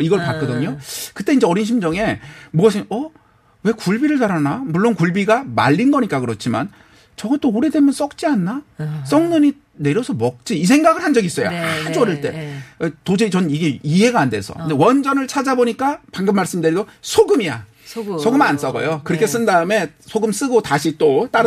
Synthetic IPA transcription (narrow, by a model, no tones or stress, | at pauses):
iɡʌɭpak͈ʌdɯɲokɯt͈e̞ind͡ʑe̞ʌɾinɕ̬ʰimd͡ʑʌŋe̞muɡʌsʰɯnʌ | we̞kuɭbiɾɯɭtaɾanamuɭːonkuɭbiɡama̰ʎːinɡʌɲik͈akɯɾʌt͡ɕʰima̰n | t͡ɕʌɡʌt͈ouɾide̞mjʌns͈ʌk̚t͡ɕ͈ianːas͈ʌŋnuɲi | ne̞ɾjʌsʰʌmʌk̚t͡ɕ͈iːs̬ʰe̞ŋɡaɡɯɭhand͡ʑʌɡis͈ʌjo̰ad͡ʑʌɾɯɭt͈e̞̰tod͡ʑet͡ɕʌniɡe̞iɦe̞ɡaːnde̞̰sʰʌ̰kndewʌnd͡ʑʌnɯɭt͡ɕʰad͡ʑaboɲik͈apaŋɡɯmːaɭs͈ɯmdɯɾiɡosʰoɡɯmija̰ | sʰoɡɯmans͈ʌɡʌ̰jokɯɾʌkʰe̞s͈ɯndaɯme̞sʰoɡɯms͈ɯɡotaɕʰit͈ot͈aɾ